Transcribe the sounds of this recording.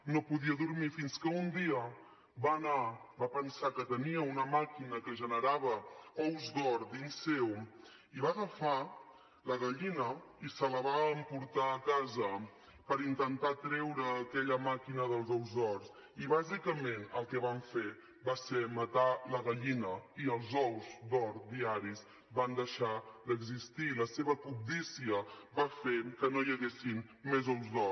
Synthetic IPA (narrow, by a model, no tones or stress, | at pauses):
nopuðiəðuɾmifinskəund̪iə | banabapənsakət̪əniəunəmakinəkəʒənəɾaβəɔwzdɔɾd̪insɛw | iβaɣəfa | ləɣəʎinə | isələβaəmpuɾt̪aːkazə | pəɾint̪ənt̪at̪ɾɛwɾəːkɛʎəmakinəðəlˠzɔwzðɔɾs | iβazikəmenəlˠkɛβaɱfe | basemət̪aləɣəʎinəiəlˠzɔwzd̪ɔɾd̪iaɾiz | band̪əʃad̪əɡzist̪iləseβəkub̚d̪isiəbafekənojəɣesinmezɔwzdɔ